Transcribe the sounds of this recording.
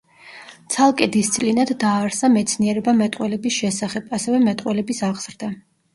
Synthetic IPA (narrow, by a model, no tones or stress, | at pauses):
t̪sʰalˠkʼɛd̪ist̪sʼlinad̪ːaːɾsamɛt̪sʰniɛɾɛbamɛt̪ʼqʼwɛlɛbisʃɛsaχɛbasɛvɛmɛt̪ʼwɛlɛbisaʁz̥ɾd̪a